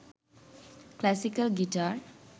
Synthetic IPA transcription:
klasikəlɡiʈar

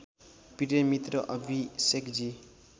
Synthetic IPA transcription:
piʈemit̪ɾʌʔʌbʱisekd͡ʒi

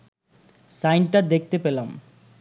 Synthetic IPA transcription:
sajnʈad̪ek̚ʰt̪epelam

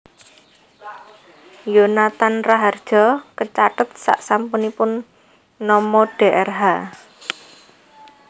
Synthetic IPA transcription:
jonat̪anraɦard̥ʒ̥ɔ̤kət͡ʃaʈət̪̚sa̰ʔsampunipʊnː | ɔmɔɖ̥e̤ʔɛrɦa

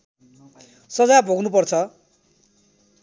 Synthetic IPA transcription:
sʌd͡zabʱoɡnupʌrt͡sʰʌ

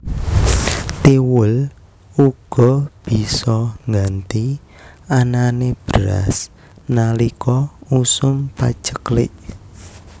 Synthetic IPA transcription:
t̪iwʊl | uɡ̥ɔ̤b̥i̤sɔŋɡant̪i | ananeb̥əɾa̰s | nalikʰɔusʊmpa̰̥ʒ̥ə̥klɪ̰ʔ

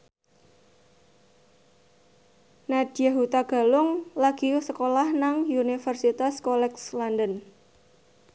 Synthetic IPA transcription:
nad̥jaɦut̪aɡ̥a̤lʊŋlaɡ̥iusəkolahnaŋunifərsit̪askɔlɛkslandən

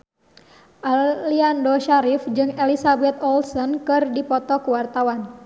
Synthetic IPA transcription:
ʔaliandɔʃaɾifd͡ʒɨŋɛlisabɛt̪ɔlsɔnkɨrdipɔt̪ɔkuwart̪awan

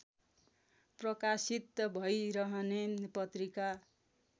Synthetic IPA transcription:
prʌkasit̪bʱʌjɾʌɦʌnepʌt̪rika

